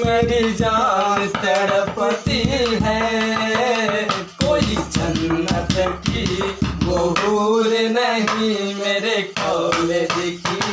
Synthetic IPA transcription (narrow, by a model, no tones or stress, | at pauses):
meɾid͡ʒaːnt̪ɐɽəpət̪iɦɛ | koːit͡ʃənːat̪ɐkiʋoɦuːɾenəɦimeːɾekɔːmed̪eːkʰi